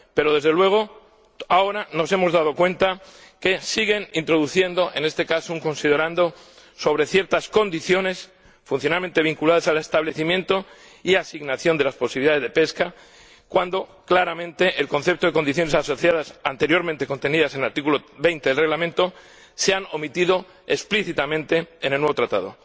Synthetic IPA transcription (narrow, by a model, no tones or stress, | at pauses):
pe̞ɾo̞ðe̞zðe̞lwe̞ɣ̞o̞ | ao̞ɾano̞se̞mo̞zðað̞o̞kwe̞nt̪a | ke̞siɣe̞nint̪ɾo̞ðuθje̞nd̪o̞ʔe̞ne̞st̪e̞kasuŋko̞nsið̞e̞ɾand̪o̞ | so̞β̞ɾe̞θje̞ɾt̪asko̞nd̪iθjo̞ne̞s | funθjo̞nalme̞nt̪eβiŋkulað̞asale̞st̪aβle̞θimje̞nt̪o̞ | iasiɣnaθjo̞nd̪e̞laspo̞siβiliðaðe̞zðe̞pe̞ska | kwand̪o̞klaɾamẽnt̪e̞ʔːlko̞nθe̞p̚t̪o̞ðe̞ko̞nd̪iθjone̞saso̞θjað̞asant̪e̞ɾjo̞ɾment̪eko̞nt̪e̞niðase̞naɾt̪ikulo̞βe̞jnt̪e̞ðelre̞ɣlamẽ̞nt̪o̞ | seanomit̪iðo̞ | espliθit̪amẽ̞nt̪e̞ːnelnwe̞βo̞t̪ɾat̪aðo̞̰